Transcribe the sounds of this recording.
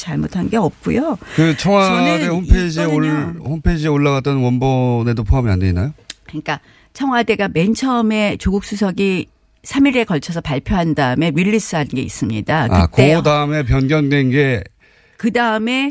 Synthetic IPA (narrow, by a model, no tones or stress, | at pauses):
t͡ɕaɭmotʰannɡe̞ʌp̚k͈ujokɯt͡ɕʰʌŋwadehompʰed͡ʑieohompʰed͡ʑieoɭːaɡat͈ʌnwʌnbʌne̞dopʰoɦamia̰ndeinːajokɯɲik͈a | t͡ɕʰʌŋɦwade̞ɡame̞nt͡ɕʰʌme̞t͡ɕoɡuk̚s͈usʰʌɡi | sʰamiɾe̞kʌɭt͡ɕʰʌsʰʌpaɭpʰjoɦandaɯme̞wiʎːis͈ɯɦanɯnɡe̞ḭs͈ɯmɲḭdakaɯ̰tkodaɯme̞p̬jʌnɡjʌndwenɡe̞ | kɯdaɯme̞